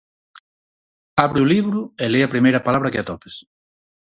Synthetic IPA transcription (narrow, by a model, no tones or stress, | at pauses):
aβɾɪuliβɾʊeleɐpɾimejɾɐpalaβɾɐkɪat̪ɔpe̥s